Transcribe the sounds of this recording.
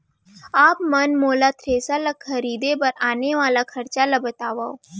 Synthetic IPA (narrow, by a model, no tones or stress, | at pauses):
aːpmɐnmoːlat̪ʰɾeːsalakʰɐɾiːd̪ebɐɾaːneʋaːlakʰɐɾt͡ʃalabət̪aːʋao